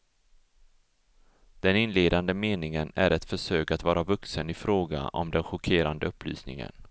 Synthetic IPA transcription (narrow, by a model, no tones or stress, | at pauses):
d̪̥ɛnɪnleːd̪and̪əmeːnɪŋənæɾɛt̪fœʂøːkat̪vɑːɾavɵksənɪfɾoːɡa̰ʔɔ̰md̪ɛnɧʊkʰeːɾand̪əɵpːly̰ːsnɪ̰ŋə̰n